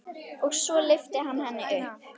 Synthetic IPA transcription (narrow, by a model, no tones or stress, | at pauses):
ɔɣsɔlɪft̪ɪɦanːɦɛnːɪʔʏhp